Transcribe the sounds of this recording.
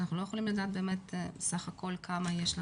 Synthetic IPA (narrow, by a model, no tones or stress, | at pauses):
naχnulojeolimlad̪aːt̪̚be̞ːmet̪saχakʰo̞lkʰamajeʃla